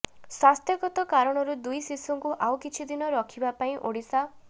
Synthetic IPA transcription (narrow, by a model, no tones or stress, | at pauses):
swast̪ʰjɔɡɔt̪ɔkaɾɔɽ̃ɔɾud̪ujsisuŋkuʔawkit͡ʃʰid̪inɔɾɔkʰibapaĩʔoɽisa